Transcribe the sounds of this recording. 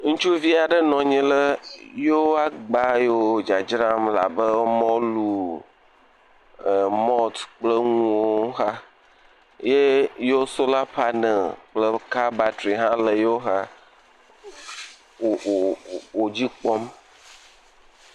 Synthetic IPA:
ŋũ˦t͡ʃu˦vi˦a˨ɖə˦nɔ̃˨ɲĩ˦lə˦jo˦a˦ɡ͡ba˦jo˦˨d͡ʒa˨d͡ʒɾa˦mla̰˨bə˦mɔ̃˦lu˦˨ | mɔ˦t̪k͡plə˦ŋuũ˦woo˦ɦa˦ | je˦jo˦so˦la˦pa˦nə˨lk͡plə˦ka˦ba˨tɾi˨ɦã˦lə˨jo˦ɦa˦ | o˨o˨d͡ʑi˦k͡pɔ˦m

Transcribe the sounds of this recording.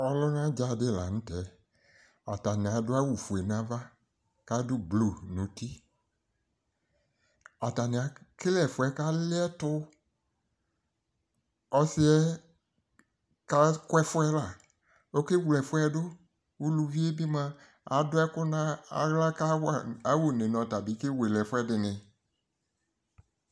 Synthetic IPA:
ɔ˦lʊ˦nã˦d͡ʒa˨dɪ˦la̰˨ñ̩˦tɛ˨˦ | a̰˨ta˨nɪ̃˨a˨dʊ˦a˦wu˨fu˨e˨nã˦va˦ | ka˦dʊ˦blu˨nũ˨ti˦ | a˨ta˨nɪ̃˨a˨kɪ˦lɛ˨fʊ˦ɛ˨˦ka˦lɪ˦ɛ˦tʊ˦ | ɔ˦sɪ˦ɛ˦ | ka˦kʊ˦ɛ˦fʊ˦ɛ˦la˨ | o˦ke˦wlɛ˨fʊ˦ɛ˦dʊ˦ | wu˦lu˨vi˦e˦bi˦mã˦ | a̰˨˦dʊ˦ɛ˦kʊ˦nã˦a̰˨ɣla˦ka˦˨a˨˦wo˨ne˨nɔ̃˨ta˨bi˨˦ke˦we˨lɛ˨fʊ˦ɛ˦dɪ˨nɪ̃˨

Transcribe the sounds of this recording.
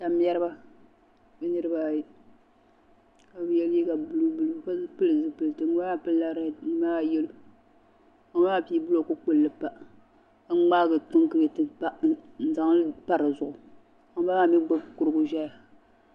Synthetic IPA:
ta˨m˦ɛ˦ɾɨ˦ba˦ | bɨ˦nɨ˦ɾɨ˦ba˦j | ka˨bɨ˦jɛ˦lji˦ka˨bɨ˦lu˦bu˦lu˦˨ka˦pɨ˦lɨ˨zɨ˦pɨ˨lɨ˨tɨ˨ŋ˦a˦a˦pɨ˦la˦ɾŋ˦maː˦˨jɛ˦lu˦ | a˨˦a˦a˦pi˦bu˦lko˦k͡po˦˨lːɨ˦pa˦ | a˦ŋ͡maː˦ɡɨ˨tʊ˦ŋkɨ˦jɛ˨tɨ˦pa˦n̩˦za˨ŋ˦pa˦ɾɨ˨zʊ˨ʔʊ˨ | a˨ŋ˦ba˦ma˨mi˦ɡ͡ba˦bkʊ˨ɾɨ˦bʊ˦ʒɛ˦ja˨

